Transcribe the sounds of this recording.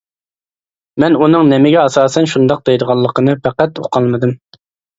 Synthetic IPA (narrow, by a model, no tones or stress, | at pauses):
mɛnunɨŋnɪmɪɡʲɛɑsɑːsɛnʃund̪ɑq̚d̪ejd̪əʁɑlˠːəqʰənɨpæqæt̪oqʰɑlˠmɨd̪ɨm